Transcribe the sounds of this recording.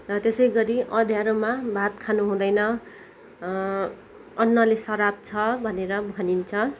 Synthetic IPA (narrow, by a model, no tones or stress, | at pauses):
rʌt̪esʌjɡʌɾiʔʌd̪ʱjaɾomabʱat̪kʰanuɦũd̪ʌjnʌ | ʌnːʌlesʌɾab̚t͡sʰʌbʱʌneɾʌbʱʌnint͡sʰʌ